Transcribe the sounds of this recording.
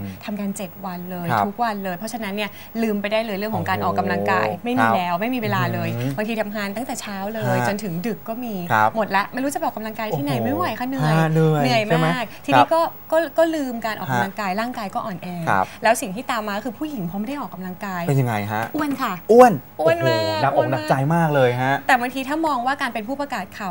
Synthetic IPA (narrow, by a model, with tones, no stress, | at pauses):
t̪ʰa˧mkaː˧nt͡ɕe˨˩t̪̚wa˧nlɤː˧jʰtʰu˦˥k̚wa˧nlɤː˧jpʰɾɔ˦˥t͡ɕʰa˧na˦˥nːi˥˩ɐ | lɯː˧mpa˧jdaː˥˩jlɤː˧jɾɯ˥˩əŋkʰɔː˨˩˦ŋkaː˧nʔɔː˨˩kːa˧mla˧ŋka̰ː˧jma˥˩jmiː˧lɛː˦˥wma˥˩jmiː˧weː˧laː˧lɤː˧jba˧ŋt̪ʰiː˧a˧mɦʰaː˧˩nt̪a˥˩ŋt̪ɛː˨˩t͡ɕʰaː˦˥wlɤː˧jt͡ɕo˧nt̪ʰɯ˩˦ŋdɯ˨˩kːɔː˥˩miː˧˦pmo˨˩t̪̚lɛ˦˥ʔma˧nɾuː˦˥t͡ɕa˨˩p̚ʔɔː˨˩ka˧mla˧ŋkaː˧jti˥na˧˩jma˥˩jwjkʰa˦˥˩nɯ˨˧ə˧jnɯ˧nɯ˨˩əjmː˧a˦˥˩k̚t̪ʰi˧niː˦˧˥kɔː˥˩kɔː˥˩kɔː˥˩lɯː˧mkaː˧nʔɔ̰ː˨˩a˧la˧ŋkaː˧jlaː˥˩ŋkaː˧jkɔː˥˩ʔɔː˨˩nʔɛː˧a̰˦p̚lɛː˦˥wsi˨˩ŋt̪ʰiː˥˩t̪aː˧mːaː˧kkʰɯː˧pʰuː˥˩ji˨˩˦ŋpʰɔː˧m˥jda˥˩ʔɔː˨˩kːa˧mla˧ŋkaː˧je˧nja˧ŋa̰˧jɦa̰˦˥ʔʔu˥˩ənkʰa˥˩ʔu˧˩ənʔu˥˩ənma˧˥˩da˨˩k̚ʔɔ˨˥˨ŋ̚na˨˧˩t͡ɕa˧jmaː˥˩k̚lɤː˧jɦa˦˥ʔt̪ɛː˨˩ba˧ŋt̪ʰiː˧t̪ʰaː˥˩mɔː˧ŋwaː˥˩kaː˧npe˧npʰuː˥˩pa˧kaː˨˩t̪̚kʰa˨˩w